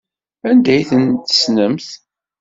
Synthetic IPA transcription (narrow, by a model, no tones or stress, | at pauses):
ænd̪æjθənt̪ə̥snəmθ